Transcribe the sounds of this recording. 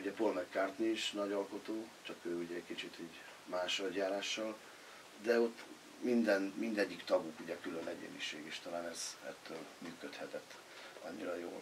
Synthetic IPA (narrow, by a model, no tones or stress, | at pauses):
uɟɛpolmɛkːaːrt̪niːʃnɒɟɒlko̞t̪oːt͡ʃɒkøːuɟɛɛɟkit͡ʃit̪iɟ | maːʃnɒɟjaːɾaːʃːɒl | d̪ɛo̞t̪ː | mind̪ɛnmind̪ɛɟːikt̪ɒɡukuɟɛkylønʔɛɟḛːniʃeːɡeːʃt̪ɒlaːnɛz̥ɛ̰t̪ʰːøːlmyːkøt̪hɛt̪ɛt̪ː | ɒ̰ɲːiɾɒjo̰ːl